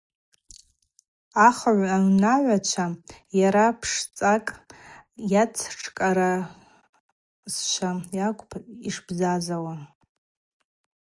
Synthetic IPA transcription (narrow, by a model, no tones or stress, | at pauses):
aχaʕʷaɥnaʕʷat͡ʃʷʰajaɾapʰʂt͡sʼakʼ | jat͡sʰʈ͡ʂʰkʼaɾa | sʃʷʰajakʷʼʰiʂbzazawa